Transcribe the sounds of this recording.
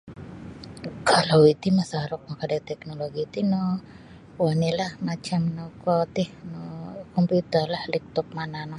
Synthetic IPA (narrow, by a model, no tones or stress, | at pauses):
kʰalawit̪imasaɾɔk̚makadat̪ɛk̚noloɡit̪inɔ | wanilahmat͡ʃamnɔkɔt̪ɪhnɔkɔmput̪ərlahlik̚t̪ɔp̚mananɔ